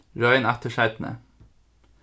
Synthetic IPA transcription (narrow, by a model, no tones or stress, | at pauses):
ɹœʏnæt̪əʃæɪt̪n̩ə̰